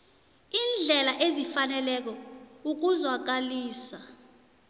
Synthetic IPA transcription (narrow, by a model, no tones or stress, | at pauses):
iːnd͡ɮʱɛlaʔezifanɛlɛk̬ɔuk̬uzwak̬ʼaliːsa